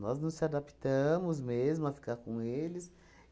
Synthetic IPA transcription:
nɔznɐ̃sɪad̪apt̪ɐ̃mʊzmezmʊafi̥kaɾkõelɪs

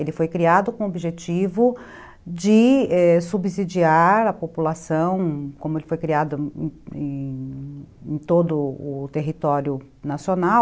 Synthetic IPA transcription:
elɪfojkɾiad̪ʊkõobiʒet͡ʃivʊ | d͡ʒɪɛsubizid͡ʒiaɾɐpopulasɐ̃w̃kõmʊelɪfojkɾiad̪ʊẽẽ | ẽj̃t̪od̪ʊʊt̪eɦit̪ɔɾjʊ | nasionaw

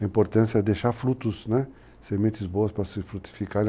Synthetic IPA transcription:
ɐĩmpoɾt̪ɐ̃sɪɐɛd̪ejʃaɾfɾut̪ʊsnɛ | semẽnt̪ɪzboɐspɾɐsɪfɾut̪i̥fikaɾ̃

